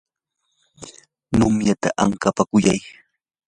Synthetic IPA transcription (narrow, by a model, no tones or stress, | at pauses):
nʊmjat̪a̰ʔa̰ŋkapakʊjaj